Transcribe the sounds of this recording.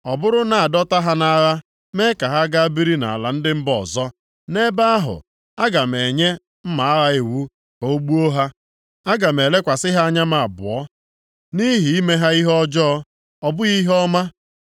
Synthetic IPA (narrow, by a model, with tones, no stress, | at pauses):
ɔ˨bʊ˦ɾʊ˦na˨a˨dɔ˦ta˦ɦa˦na˦ɣa˦ | me˦ka˨ɦa˦ɡa˦a˦bi˦ɾi˦na̰˨a˨la˨n̩˦dɪ˦m̩˦bɔ˨zɔ˦ | ne˦ba˦a˦ɦʊ̰˨ | a˦ɡa˨m̩˨e˨ɲe˦ | m̩˦ma˨a˦ɣa˦e˨wu˦ | ko˦ɡ͡bu˦o˦ɦa˦ | a˦ɡa˨m˨e˨le˦kʷa˨sɪ˦ɦa˦a˦ɲa˦ma˨a˨bʊ̰˨ɔ˦ | ni˦ɦi˨i˦me˦ɦa˦i˦ɦɔ˦d͡ʒɔ˦ | ɔ˨bʊ˦ɣi˦ɦɔ˦ma˦